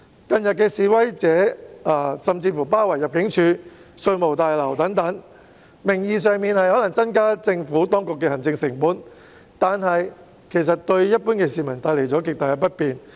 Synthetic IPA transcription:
kɐ˧njɐ˨t̚kɛː˧siː˨wɐ˥jt͡sɛː˨˥aː˧sɐ˨mt͡siː˧fuː˨˩paː˥wɐ˨˩jːɐ˨p̚kɪ˨˥ŋt͡ʃʰyː˨˧sɵ˧ɥmo˨˩wt̪aː˨jlɐ˨˩wt̪ɐ˨˥ŋt̪ɐ˨˥ŋ | mɪ˨˩ŋjiː˨˧s̬œː˨˧ŋmiː˨nhɐ˨jhɔ˨˥lɐ˨˩ŋt͡sɐ˥nkaː˥t͡sɪ˧ŋfuː˨˥t̪ɔː˥ŋkʊ˨kːɛː˧hɐ˨˩nt͡sɪ˧ŋsɪ˨˩ŋpuː˨˥n | t̪aː˨nɦɐ˨j | kʰe˨˩js̬ɐ˨t̚t̪ɵ˧ɥjɐ˥t̚puː˥nkɛː˧siː˨mɐ˨˩nt̪aː˧jle˨˩jt͡sɔː˨˥k̬ɪ˨k̚t̪aː˨jɐ˨˧pɐ˥t̚piː˨n

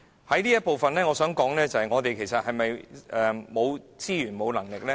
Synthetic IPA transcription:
hɐ˨˥jniː˥jɐ˥t̚po˨wfɐ˨nlɛː˥ŋɔː˧sœː˨˥ŋkɔː˨˥ŋlɛː˥t͡sɐ˨hɐ˨jŋɔː˨˧t̪e˨jkʰe˨˩jsɐ˨t̚hɐ˨jmɐ˨jʔɛː˨mo˨˧wt͡siː˥jyː˨˩nmo˨˧wlɐ˨˩ŋlɪ˨k̚lɛː˥

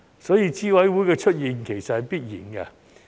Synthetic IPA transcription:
sɔː˨˥jiː˧t͡siː˥wɐ˨˥jwuː˨˥jkɛː˧t͡ʃʰɵ˥t̚jiː˨nkʰe˨˩jsɐ˨t̚hɐ˨jpiː˥t̚jiː˨˩nkɐ̰˧

